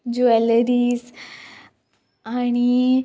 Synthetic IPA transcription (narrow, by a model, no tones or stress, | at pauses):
d͡ʑuɛləɾiːs | aɽ̃i